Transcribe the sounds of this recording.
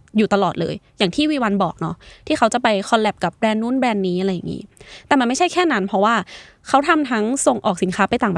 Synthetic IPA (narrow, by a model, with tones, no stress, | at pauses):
juː˨˩t̪a˧lɔː˨˩t̪̚lɤ̰ː˧jjaː˨˩ŋt̪ʰiː˥˩wiː˧˥wa˧nbɔː˨˩k̚nɔ˦˥t̪ʰiː˥˩kʰa˦˥wt͡ɕa˨˩pa˧jkʰɔ˧lɛ˨˩p̚ka˨˩p̚bɾɛː˧nːuː˦˥˩nbɾɛː˧nːiː˦˥ʔa˨ɾa˧jːa˨˩ŋḭː˦˥t̪ɛː˨˩ma˧nma˥˩t͡ɕʰa˥˩jkʰɛː˥˩na˦˥npʰɾɔ˦˥waː˥˩ | kʰa˦˥wt̪ʰa˧mt̪ʰa˦˥ŋso˨˩ŋʔɔː˨˩k̚si˨˩˦nkʰaː˦˥pa˧jt̪aː˨˩ŋba˧